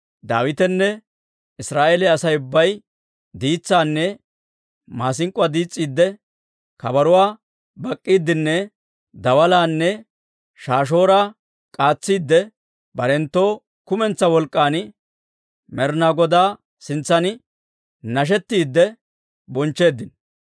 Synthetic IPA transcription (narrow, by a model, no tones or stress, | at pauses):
d̪a̰ːwɪt̪ɛnːɛ | ɪsɾaːʔeːlɛɐsɐjʊbːɐj | d̪iːt͡sːaːnːɛ | maːs̬ɪŋkʼːʊaːd̪iːt͡sʼːiːd̪ːɛ | kɐbɐɾʊwaː | bɐkʼːiːd̪ːɪnːɛ | d̪ɐwɐlaːnːɛ | ʃaːʃ̬o̞ːɾa | kʼaːt͡sːiːd̪ːɛ | bɐɾɛnt̪ːo̞ː | kʊmɛnt͡sːɐwɔlkʼːaːn | mɛɾnaːɡɔd̪aː | sɪnt͡sːɐnɪ | nɐʃ̬ɛt̪ːiːd̪ːɛ | bɔnt͡ʃːe̞ːd̪ːɪn